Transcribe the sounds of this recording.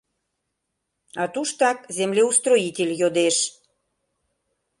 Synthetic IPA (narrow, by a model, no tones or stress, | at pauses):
ɑt̪uʃt̪ɑkzemlʲeust̪roitʲelʲjod̪eʃ